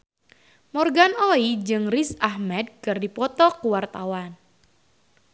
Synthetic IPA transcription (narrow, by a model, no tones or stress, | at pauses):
mɔrɡanoid͡ʒɨŋrisahmɛd̪̚kɨrdipɔt̪ɔkuwart̪awan